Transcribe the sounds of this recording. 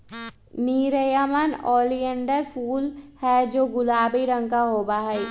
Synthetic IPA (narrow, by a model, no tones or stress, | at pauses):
niːɾəjamənɔːlijə̃ɳɖəɾfʰuːlhɛd͡ʒoːɡʊlaːbiɾə̃ŋkaɦoːbaːɦɛiː